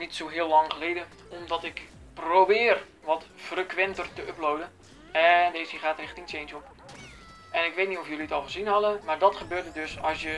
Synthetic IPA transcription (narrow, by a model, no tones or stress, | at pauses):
nitsoːɦɪəlɑŋχəleːdə | ɔmdɔtɪk | probɪːr | ʋɔtfrəkʋɛntərtəøplowdən | ɛndeːsiχaːtrɪxtisent͡ʃop | ɛnɪkʋeːtnitofjøliətɔlˠχəzinɦɑdəmaːrdɔtχəbøːrdədøsɔsjə